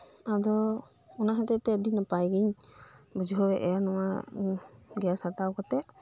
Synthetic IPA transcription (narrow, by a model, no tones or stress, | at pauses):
ad̪ɔ | ɔnaɦɛt̪ɛt̪ɛəɖinapajɡiɲ | bəd͡ʒɦɔwɛʔɛjanɔwa | ɡɛjasat̪awkɔt̪ɛʔ